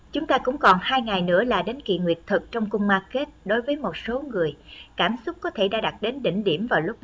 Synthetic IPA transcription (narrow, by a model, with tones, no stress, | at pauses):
t͡ɕʊ˨˦ŋ͡mt̪aː˧kʊ̰˧˥ŋ͡mkɔ˨˩nhaː˧jŋa˨˩jnɨ̰˧˥əlaː˨˩ɗe˨˦nkḭ˧˨ŋwi˨˩ət̚t̪ʰɨ˨˩k̚t͡ɕɔ˧wŋ͡mkʊ˧wŋ͡mmaː˧ke˦˥t̚ɗo˨˦jvəː˨˦jmo˨˩t̚so˨˦ŋɨ˨˩əjkaː˧˩msʊ˦˥k͡p̚kɔ˨˦t̪ʰe˧˩ɗa̰ː˧˥ɗa˨˩t̚ɗe˨˦nɗḭ˧˨ŋ̟ɗi˧˩əmvaː˨˩wlʊ˦˥k͡p̚